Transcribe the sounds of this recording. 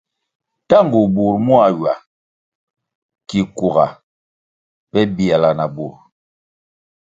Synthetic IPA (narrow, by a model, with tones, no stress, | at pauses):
ta˦ŋ˨ɡu˨bu˨ɾmu˦a˨ɥwa˨ | ki˨ku˨ɣa̰˨ | pɛ˦bi˨a˨la˨na˨bu˨ɾ